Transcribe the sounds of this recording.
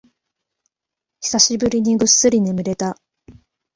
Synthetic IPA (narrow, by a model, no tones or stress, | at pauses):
çi̥saɕibɯ̟ɾʲiɲ̟iɡɯ̟sːɨɾʲine̞mɯ̟ɾe̞t̪a